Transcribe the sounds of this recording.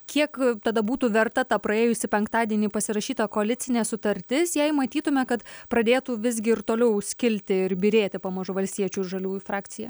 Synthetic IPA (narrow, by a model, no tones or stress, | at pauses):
kʲʰiɛkt̪ɐd̪ɐbuːt̪uːʋʲɛrt̪ɐt̪ɐpɾɐeːjʊsʲɪpʲɛŋkt̪ɑːd̪ʲiɛnʲiːpɐsʲɪɾɐʃʲiːt̪ɐkoɐlʲɪt̪t͡s̪ʲɪnʲeːsʊt̪ɐɾʲt̪ʲɪsjɛɪmɐt̪ʲiːt̪ʊmʲɛkɐt̪pɾɐd̪ʲeːt̪uːʋʲɪz̬ʲɡʲɪɪɾt̪oːlʲɛʊsʲkʲɪlʲt̪ʲɪɪɾbʲiːɾʲeːt̪ʲɪpɐmɐʒʊʋɐlʲsʲt̪ʲiɛt͡ʃʲuːʒɐlʲuːjfɾɑːkt̪sʲɪjɛ